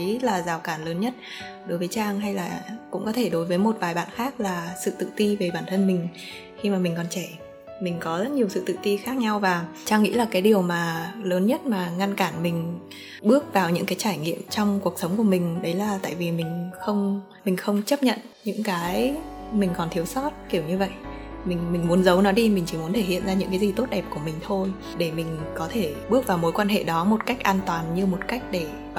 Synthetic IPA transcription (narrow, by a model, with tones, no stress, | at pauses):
laː˨˩zaː˨˩wkaː˧˩nləː˨˦nɲə˦˥t̚ | ɗo˨˦jvəː˨˦jt͡ɕaː˧ŋɦa˧jlaː˨˩kʊ̰˧˥ŋ͡mkɔ˨˦t̪ʰe˧˩ɗo˨˦jvəː˨˦jmo˨˩t̚vaː˨˩jɓa̰ː˧˨nxaː˦˥k̚laː˨˩sɨ̰˧˨t̪ɨ̰˧˨t̪i˧ve˨˩ɓaː˧˩nt̪ʰə˧nmï˨˩ŋ̟ | xi˧maː˨˩mï˨˩ŋ̟kɔ˨˩nt͡ɕɛ˧˩ | mï˨˩ŋ̟kɔ˨˦zə˦˥t̚ɲi˨˩əwsɨ̰˧˨t̪ɨ̰˧˨t̪i˧xaː˦˥k̚ɲa˧wvaː˨˩ | t͡ɕaː˧ŋːḭ˧˥laː˨˩kaː˨˦jɗi˨˩əwmaː˨˩ləː˨˦nɲə˦˥t̚maː˨˩ŋa˧nkaː˧˩nmï˨˩ŋ̟ | ɓɨ˦˥ək̚vaː˨˩wɲɨ̰˧˥ŋkaː˨˦jt͡ɕaː˧˩jŋḭ˧˨əmt͡ɕɔ˧wŋ͡mku˨˩ək̚sə˨˦wŋ͡mku˧˩əmï˨˩ŋ̟ɗə˨˦jlaː˨˩t̪a̰ː˧˨jvi˨˩mï˨˩ŋ̟xə˧wŋ͡m | mï˨˩ŋ̟xə˧wŋ͡mt͡ɕə˦˥p̚ɲə̰˧˨n | ɲɨ̰˧˥ŋkaː˨˦j | mï˨˩ŋ̟kɔ˨˩nt̪ʰi˨˦əwsɔ˦˥t̚ki˧˩əwɲɨ˧və̰˧˨j | mï˨˩ŋ̟mï˨˩ŋ̟mu˨˦ənzə˨˦wnɔ˨˦ɗi˧mï̟˨˩t͡ɕi˧˩m˨˦ənt̪ʰe˧˩hḭ˧˨ənzaː˧ɲɨ̰˧˥ŋkaː˨˦zi˨˩t̪o˦˥t̚ɗɛ˨˩p̚ku˧˩əmï˨˩ŋ̟t̪ʰo˧j | ɗe˧˩mï˨˩ŋ̟kɔ˨˦t̪ʰe˧˩ɓɨ˦˥ək̚vaː˨˩wmo˨˦jkwaː˧nɦḛ˧˨ɗɔ˨˦mo˨˩t̚ka˦˥jk̟̚ʔaː˧nt̪waː˨˩nɲɨ˧mo˨˩t̚ka˦˥jk̟̚ɗe˧˩